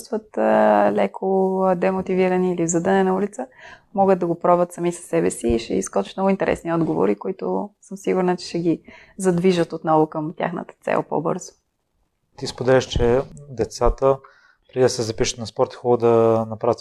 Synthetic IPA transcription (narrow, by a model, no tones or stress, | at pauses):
ust̪vət̪lɛkʰʊd̪ɛmot̪iviɾɐniːlivzɐd̪ənɛnɐulit̪səmɔɡəd̪̚ɐɡopɾɔvət̪sɐmisɐ̥sːɛbɛsiːʃɛ̰iskɔtt͡ʃi̥t̪mnɔɡʊint̪ɛɾʔɛ̰sniɔd̪ɡovo̰ɾikʊit̪ʊ̰sɤmsiɡʊɾnət͡ʃɛ̥ʃɛɡizɐd̪viʒət̪ot̪nɔvʊkəmt̪ʲja̰xnə̰t̪ə̥t̪sɛ̰lˠpo̰bɤ̰ɾzʊ̥ | t̪ispod̪ɛlʲɛʃt͡ʃɛd̪ɛt̪sat̪ə | pɾɛd̪id̪ɐsɛzɐpiʃə̥t̪nɐspɔɾt̪i̥xɔbəd̪ɐnɐpɾavət̪